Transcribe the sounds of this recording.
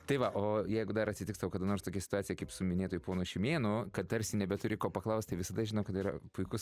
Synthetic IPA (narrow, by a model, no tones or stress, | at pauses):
t̪ɐɪʋɐʔoːjɛɪɡʊd̪ɐɾɐtʲsʲɪtʲɪkst̪ɐʋoːkɐːd̪ɐnoːrst̪oːkʲɛsʲɪt̪ʊɑːt͡sʲɪjɛkɐɪpsʊmʲɪnʲeːt̪oːjʊpoːnʊʃʲɪmʲeːnʊkɐt̪̚t̪ɐɾʲsʲɪnʲɛbʲɛt̪ʊɾʲɪkoːpɐklˠɐʊst̪t̪ɐɪʋʲɪsɐd̪ɐʒʲɪnɐʊkɐt̪iːɾɐ̰pʊɪkʊs